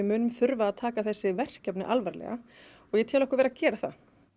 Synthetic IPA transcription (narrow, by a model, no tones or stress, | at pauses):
ɪmʏːnʏmθʏɾvaːðt̪ʰaːkaθɛsːɪvɛr̥cɛpnɪʔalvaɾlɛ̰ɣa | ɔɣjɛt̪ʰɪlɔhkaɾvɛɾacɛːɾaθa̰